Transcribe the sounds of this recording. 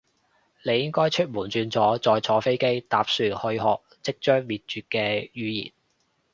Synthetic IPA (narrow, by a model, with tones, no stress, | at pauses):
ne˨˧jɪ˥ŋkɔː˥jt͡ʃʰɵ˥t̚muː˨˩nt͡ʃyː˧nt͡sɔː˨˥t͡sɔː˨jt͡sʰɔː˨˥fe˥jke˥jt̪aː˨p̚syː˨˧hɵ˧ɥɦɔː˨k̚t͡sɪ˥k̚t͡ʃœː˥ŋmiː˨t̚t͡ʃyː˨t̚kɛː˧jyː˨˧jḭː˨˩n